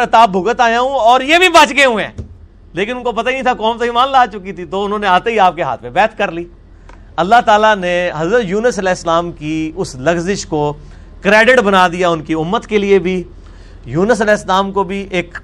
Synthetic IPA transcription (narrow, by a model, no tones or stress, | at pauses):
ɐt̪aːbʱʊɡət̪aːjãːũɔːɾjeːbʱibɐt͡ʃɡeɦũẽː | leːkɪnʊnkopɐt̪ainĩt̪ʰakɔːmt̪oimaːnlaːt͡ʃʊkit̪ʰit̪oʊnɦõːneaːt̪eɦiaːp̚keɦa̰ːt̪ʰmẽbɛːt̪ʰkɐɾliː | ɐlːaɦt̪aːlaneɦɐzɾət̪juːnəsɐlɛːɪslaːmkiʊslɐɡzɪʃko | kɾeːɖɪʈbɐnaːd̪ijaʊnkiʊmːət̪keliebʱi | juːnəs̬ɐlɛːɪslaːmkobʱiʔeːk